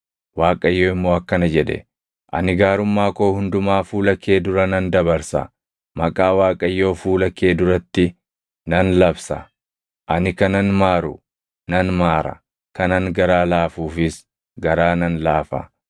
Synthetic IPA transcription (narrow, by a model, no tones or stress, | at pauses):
waːkʼɐjːo̞ːɪmːo̞ːɐkːɐnɐd͡ʒɛᶑɛ̰ | ʔɐ̰nɪɡaːɾʊmːaːko̞ːhʊnd̪ʊmaːfuːlɐkːe̞ːd̪ʊɾɐnɐnd̪ɐbɐɾsɐ̰ | mɐkʼaːwaːkʼɐjːo̞ːfuːlɐkːe̞ːd̪ʊɾɐt̪ːɪ | nɐnlɐbsɐ | ʔɐnɪkɐnɐnmaːɾʊ̰ | nɐnmaːɾɐ̰ | kɐnɐŋɡɐɾaːlaːfuːfɪs | ɡɐɾaːnɐnlaːfɐ̰